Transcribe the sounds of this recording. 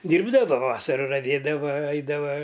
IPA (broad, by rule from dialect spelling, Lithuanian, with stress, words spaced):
ˈdʲiːrbdɐʋɐ ˈʋɑːsɐrɐ rɐˈʋʲeːdɐʋɐ ˈɐɪdɐʋɐ